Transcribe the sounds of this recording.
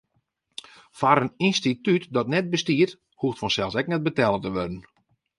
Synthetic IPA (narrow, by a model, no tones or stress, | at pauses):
faɾəninstitytdɔtnɛt̚bəstiərt | huftfɔnsɛlˠsɛk̚nɛt̚bətɛlˠətəʋødən̩